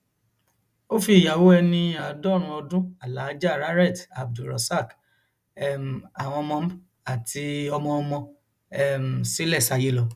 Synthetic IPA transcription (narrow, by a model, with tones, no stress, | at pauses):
o˦fi˦˨ja˨wo˦ɛ˧nĩ˧a˨˦dɔ˦˨ɾ̃ũ˧ɔ˧dũ˦a˨la˨˦d͡ʒa˦˨ɾa˦ɾɛ˦˨ta˨b̚du˨ɾɔ̰˨sa˦˨k | ɛ˦m̩˨a˨w̃ɔ̃˧mɔ̃˧˦ | a˨tʰi˧ɔ˧mɔ̃˧ɔ˧mɔ̃˧ | ɛ˦m̩˨si˦lɛ˦˨sa˨˧je˦lɔ˧